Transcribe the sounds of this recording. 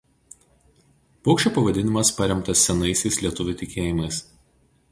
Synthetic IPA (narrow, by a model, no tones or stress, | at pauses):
pɔʊkʃʲt͡ʃʲoːpɐʋɐd̪ʲɪnʲɪmɐspɐɾʲɛmt̪ɐsːʲɛnɐɪsʲɛɪsʲlʲiɛt̪ʊʋʲʊt̪ʲɪkʲeːjɪmɐɪs